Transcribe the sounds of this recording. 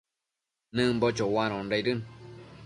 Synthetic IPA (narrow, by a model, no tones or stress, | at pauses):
nɨ̃mbot͡ʃowãɾ̃õnɾaɾɨn